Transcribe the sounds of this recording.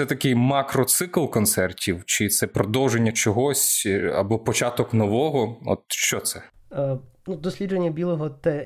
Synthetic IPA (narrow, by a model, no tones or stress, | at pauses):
sɛt̪ɐkɪjmɑkɾɔt̪sɪklˠkɔnt̪sɛrtʲiwt͡ʃɪt̪sɛpɾɔd̪ɔwʒenʲːɐt͡ʃɔɦɔsʲɐ̰bɔpɔt͡ʃɑt̪ɔknɔʋɔɦɔɔ̰t̪ʃt͡ʃɔt̪sɛ | nud̪ɔsʲlʲid͡ʒenʲːɐbʲilˠɔɦɔt̪ɛ